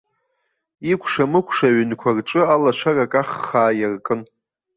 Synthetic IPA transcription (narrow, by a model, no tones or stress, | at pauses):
ikʷʰʂamɨkʷʰʂaɥʏnkʷʰarʈ͡ʂʼɨalat͡ʃʷʰarakʼaχaːjarkʼɨn